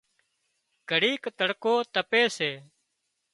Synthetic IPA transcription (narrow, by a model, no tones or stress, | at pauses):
ɡ̥ʱəɽiːkt̪əɽkoːt̪əpeːseː